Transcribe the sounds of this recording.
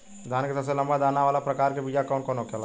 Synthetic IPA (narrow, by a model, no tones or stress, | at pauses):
d̪ʱaːnket̪əseləmbad̪aːnaʋaːlapɾəkaːɾkebid͡ʒakɔːnkɔnokela